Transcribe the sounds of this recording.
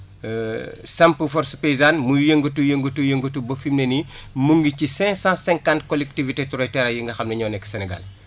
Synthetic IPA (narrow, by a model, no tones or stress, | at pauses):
sampəfɔɾspeizanmujeŋɡətujeŋɡətujeŋɡətubofimnenimuŋɡicisɛ̃ŋksãsɛ̃ŋkãntkɔlɛk̚tivitetuɾɔjtɛɾɐjiŋɡɐxɐmnɐɲɔːnɛkːsɛnɛɡa̰l